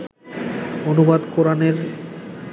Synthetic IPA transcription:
onubad̪koɾaneɾ

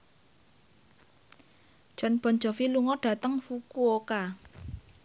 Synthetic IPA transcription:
ʒ̥ɔ̤nb̥ɔ̤nd͡ʒɔ̤filuŋɔɖ̥a̤t̪əŋfukuoka

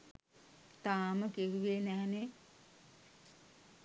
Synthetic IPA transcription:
t̪aːməkeɦuʋenɛɦne

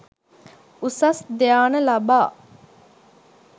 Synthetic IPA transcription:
usɐsd̪ejaːnəlɐbaː

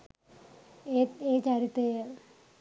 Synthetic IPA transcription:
eeːt͡ɕaːɾit̪ːe

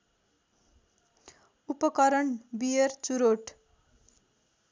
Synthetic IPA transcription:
upʌkʌɾʌɳbiert͡suɾoʈ

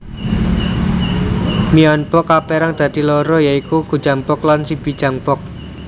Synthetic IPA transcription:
miɔnpɔkapeɾaŋd̪̥ä̤d̪̥ilɔɾɔjaikuɡ̥ud̥ʒ̥a̤mpɔklansib̥i̤̥d͡ʒ̥a̤ŋpɔk̚

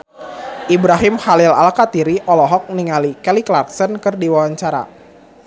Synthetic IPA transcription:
ʔibɾaɦɪmhalɪlalkat̪iɾiʔɔlɔɦɔk̚niŋalikɛliklark̚sɔnkərdiwawaɲt͡ʃaɾa̰

